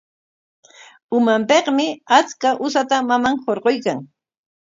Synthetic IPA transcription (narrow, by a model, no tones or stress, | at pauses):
ʊmampeqmɪat͡skaʔʊsat̪amamaŋhoɾqojkaŋ